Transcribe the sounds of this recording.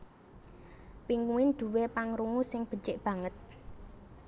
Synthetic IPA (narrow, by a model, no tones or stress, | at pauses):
piŋkuwɪnd̪̥ṳwepaŋɾuŋusɪŋb̥ə̤t͡ʃɪʔb̥ä̤ŋət̪̚